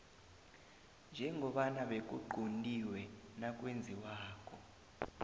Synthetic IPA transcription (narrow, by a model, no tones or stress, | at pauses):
nd͡ʒʱɛŋɡʱɔɓanaɓek̬ʼṵɡ͡ǃʱondʼiwɛnak̬ʼwend͡zʱiwaːkʰɔ